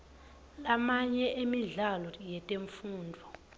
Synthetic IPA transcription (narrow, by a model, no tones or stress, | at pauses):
lamaɲɛʔemiɮalɔjɛtʼeɱfuːndʱɔ